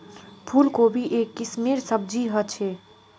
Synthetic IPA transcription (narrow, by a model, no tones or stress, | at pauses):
pʰulkobʱiʔekːismiɾsəb̚d͡ʒiɦət͡ʃʰe